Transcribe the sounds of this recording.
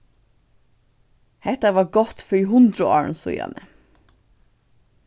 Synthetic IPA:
hɛt̪ɑʋɑːɡɔt̪fœiɦʊnd̪ɾʊɑ̰ːɹɳ̩sʊ̰ʏjɑ̰nə

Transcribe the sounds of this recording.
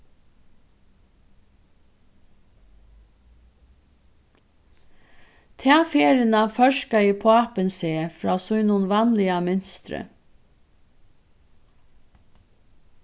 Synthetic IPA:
t̪ʰɛːfeːɾɪnafœʃkaɪpʰoːapənseːfɾɑːsʊjnʊnʋanlɪamʏnst̪ɾə̰

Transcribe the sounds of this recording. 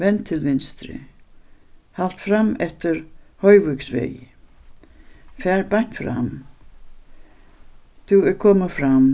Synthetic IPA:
vɛnt̪ʰːɪlvɪnst̪ɾɪ̰ | hal̥t̪fɾamɛht̪ɪɾhœjvʏksʋɛ̰j | fæːɹbaɲ̥t̪fɾa̰m | θuɛɾkʰɔːmafɾam

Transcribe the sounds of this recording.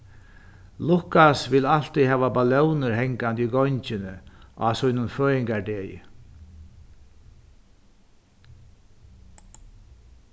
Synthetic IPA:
lʊkasvɪlal̥t̪iɦɛːvabalɛwnʊɾɦɛŋkant̪iɡɔɲt͡ʃɪnɪasʊjnʊnføːjɪŋkaɖeːjɪ̰

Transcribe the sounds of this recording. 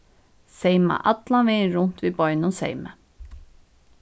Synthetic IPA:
seɪmɑ̰ʔɑt̪lɑnʋeɪɾʊnt̪ʋiːbɔʏnʊsḛɪmə

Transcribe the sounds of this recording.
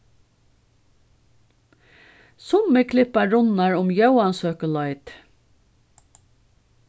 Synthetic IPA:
sʊməkʰlɪpɑɹʊnɑɹʊmjœʊɑnsøːkəlɑɪt̪

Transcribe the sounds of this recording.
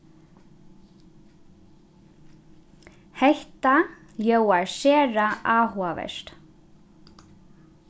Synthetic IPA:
hɛht̪a | ljowaɹsɛːɾaʔaːhuavɛ̰st̪

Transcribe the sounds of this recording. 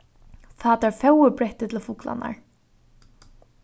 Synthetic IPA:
θaːt̪æɹfœwɪbɾɛht̪ɪt̪ʰɪlfʊkla̰na̰ɹ

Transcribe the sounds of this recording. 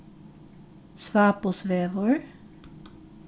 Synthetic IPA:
sʋɑːposʋeːʋəɹ

